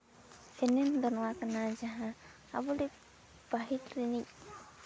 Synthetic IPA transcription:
sɛnɛnd̪ɔnɔwakanad͡ʒaɦãː | bɔlɛ | b̥aɦit̪ɾinic̚

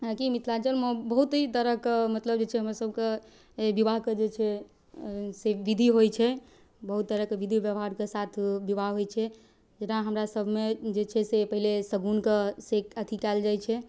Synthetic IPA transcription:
akimit̪ʰlat͡ʃəlməbəɦut̪ɦit̪əɾəkmət̪ləb̚d͡ʒet͡ʃʰɛɦəmɾasəb̚ʱke | bibaɦked͡ʒet͡ʃʰɛ | seʋid̪ʱiɦojt͡ʃʰɛ | bəɦut̪̚ːəɾəkeʋid̪ʱibjəʋɦaɾkesat̪ʰbibaɦɦojt͡ʃʰɛ | d͡ʒenãɦəmɾasəbʱmed͡ʒet͡ʃʰɛsepəɦilesəɡunkesekət̪ʰikald͡ʒajt͡ʃʰɛ

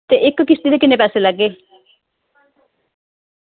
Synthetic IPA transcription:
t̪eʔekːokist̪id̪ekinepaselaɡe

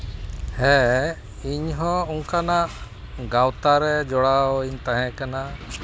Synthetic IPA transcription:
hɛ | iɲɦɔ̃uŋkanaʔ | ɡawt̪aɾɛd͡ʒɔɽaɔiɲt̪ãɦɛ̃kana

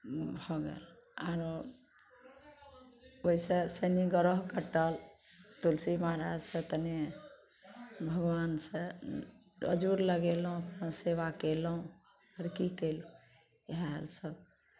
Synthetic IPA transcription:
bʱɔɡḛlaɾ | oisesəniɡəɾəɦkəʈəlt̪ulsimaɦɾad͡ʒsə̃t̪əne | bʱəɡwansə̃ | ə̰d͡ʒuɾləɡelɦũəpnaseʋakelɦũ | əɾkikelũ | ɦa̰ɾsəb̚

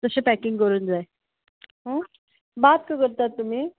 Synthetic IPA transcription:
t̪əsepækɪŋɡkəɾuːnd͡zae | ɦə̃ | bat̪kakəɾt̪at̪ːum̤iː

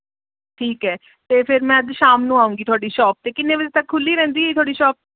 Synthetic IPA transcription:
ʈʰiːkɦɛː | t̪eːpʰɪɾmɛ̃ːəd̪ʃaːmnũaːũːŋɡiːt̪ʰʊaːɖiːʃɔːp̚t̪eːkɪnːeːʋəd͡ʒeːt̪əkʰːʊlːiːɾɛ̃ːnd̪iːɦeːt̪ʰʊaːɽiːʃɔːp̚

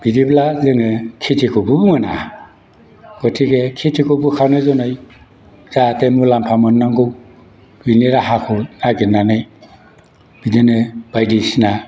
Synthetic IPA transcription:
b̥idiblazɯŋɯkʰitʰikʰubɯbumɯna̰ | ɡ̥ɔtʰiɡekʰitʰikʰubukʰanɯzɔnɯj | zatemulampʰamɔnːaŋɡɯw | biniɾaɦakʰunaɡinanɯj | b̥idɯnɯbajdisina

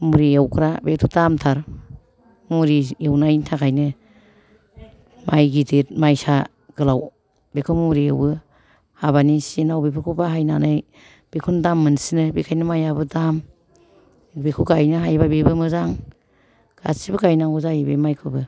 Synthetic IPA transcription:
muɾiawkʰɾabetʰudamtʰaɾ | muɾiewnajtʰakʰajnɯ | majɡidet̚majsa | ɡ̥ɯlaw | bekʰumuɾiewbɯ | haβanisenawbepʰɯkʰubaɦajna̰nɯj | b̥ekʰundamːɯnsinɯbekʰajnɯmajabɯdam | bekʰuɡajnɯɦajbabebɯmɯzaŋ | ɡ̥a̰sibɯɡajnaɡuzajbḛmajkʰɯbɯ

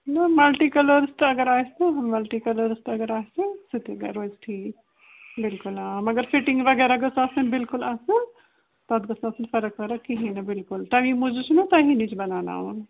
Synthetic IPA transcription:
nɐmɐlʈikɐlɐɾsʈɐɡɐɾaːseɦɐmmɐlʈikɐlɐɾsʈɐɡɐɾaːsesit̪iɡɐ̰ɾoːzʈʰiːk | bɪlkʊlaːmɐɡɐɾfiʈĩŋɡʋɐɡɛːɾaɡɐsaːsɐnbɪlkʊlaːsɨ | t̪ɐd̪ɡɐsaːsɨnfɐɾəkʋɐɾɐkːiɦĩnɐbɪlkʊlʈamĩmud͡ʒut͡ʃʰnut̪ɐɦinit͡ʃʰbɐnaːna̰ːʋun

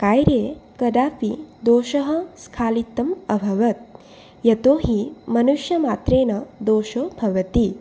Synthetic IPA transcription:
kaːjɾeːkɐɖ̪aːpid̪oːʃɐɦɐ̆skʰaːlit̪ːɐmɐbʱɐʋɐt̪̚ | jɐt̪oːɦimɐnuʃjɐmaːt̪ɾeːnɐd̪oːʃoːbʱɐʋɐt̪i

